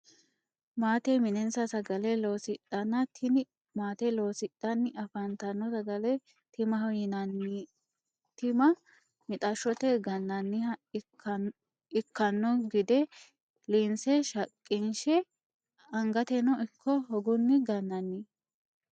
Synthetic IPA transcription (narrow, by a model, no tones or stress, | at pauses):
maːt̪ɛmɪnɛnsɐsɐɡɐlɛlo̞ːsɪt̪ʼːɐnːɐt̪ʰɪnɪ | maːt̪ɛlo̞ːsɪt̪ʼːɐnːɪʔɐfɐnt̪ɐnːɔsɐɡɐlɛ | t̪ɪmɐɦɔjɪnɐnːi | t̪ɪmɐ | mɪt̪ʼɐʃɔt̪ɛɡɐnːɐnːɪɐ | ɪkːɐnːɔɡɪd̪ɛ | liːnsɛʃɐkʼːɪnʃɛ | ɐŋɡɐt̪ɛnɔʔɪkʰːɔhɔɡʊnːɪɡɐnːɐnːi